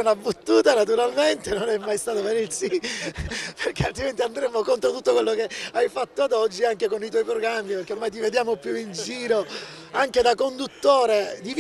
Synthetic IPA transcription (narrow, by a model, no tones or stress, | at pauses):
nabːut̪ːuːt̪anat̪̬uɾalment̪enonɛmːajst̪aːt̪opeɾisi | pʰerkealt̪ɾiment̪iand̪ɾemːokont̪ɾot̪ut̪ːokwelːokeajfat̪ːoad̪ɔd͡ʒːiaŋkekonit̪wɔjpɾoɡɾamːiperk̟eoɾmajt̪̬ived̪jaːmopjuind͡ʒd͡ʒiːɾo | aŋked̪akond̪ut̪ːoːɾed̪iv